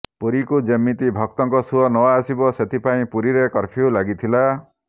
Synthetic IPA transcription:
puɾikud͡ʒemːit̪ibʱɔk̚t̪ɔŋkɔsuɔnɔwaːsibɔset̪ʰipaĩpuɾiɾekɔɾpʰiulaɡit̪ʰila

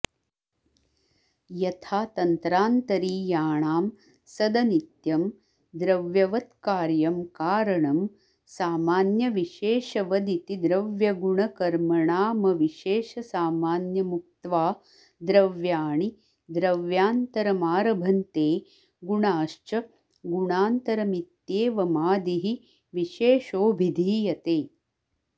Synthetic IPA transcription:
jɐt̪ʰaːt̪ɐnt̪ɾaːnt̪ɐɾiːjaːɳaːm | sɐd̪ɐnit̪jɐm | d̪ɾɐʋjɐʋɐt̪kaːɾjɐmkaːɾɐɳɐm | saːmaːnjɐʋiʃeːʃɐʋɐd̪it̪id̪ɾɐʋjɐɡuɳɐkɐɾmɐɳaːmɐʋiʃeːʃɐsaːmaːnjɐmuk̚t̪ʋaː | d̪ɾɐʋjaːɳi | d̪ɾɐʋjaːnt̪ɐɾɐmaːɾɐbʱɐnt̪eː | ɡuɳaːʃt͡ʃɐ | ɡuɳaːnt̪ɐɾɐmit̪jeːʋɐmaːd̪iɦi | ʋiʃeːʃoːbʱid̪ʱiːjɐt̪eː

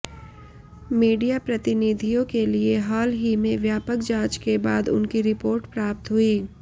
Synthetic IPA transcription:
miːɖijapɾɐt̪ɪnid̪ʱijõkelieɦaːlɦimẽʋjaːpəkd͡ʒãːt͡ʃkebaːd̪ʊ̰nkiɾɪpoːɾʈpɾaːp̚t̪ɦʊiː

